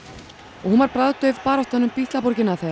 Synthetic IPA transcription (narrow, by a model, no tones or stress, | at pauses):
ɔɣhunvaɾpɾaðt̪œðpaːɾɔht̪anʏmpiːht̪lapɔɾcɪnaθe